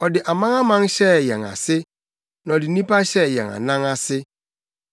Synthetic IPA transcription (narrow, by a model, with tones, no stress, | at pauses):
ɔ˨dɪ˨ʔa˨mã˦ŋa˦mã˦ŋɕɛ˦jɛ̰˨ŋa̰˨sɪ˦ | nã˨dɪ˨nĩ˦pa˦ɕɛ˦˨jɛ̰̃˨ŋa̰˨nã˦ŋa˦sɪ˦